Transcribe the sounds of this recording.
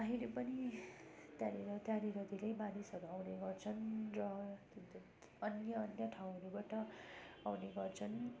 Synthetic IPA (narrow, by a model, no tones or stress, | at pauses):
aɦilepʌni | t̪jaɾiɾʌt̪jaɾiɾʌd̪ilejbanisʌɡawneɡʌrt͡sʰʌnrʌt̪t̪ | ʌnjʌːnjʌʈʰaw̃ɦʌɾubaʈʌawneɡʌrt͡sʰʌn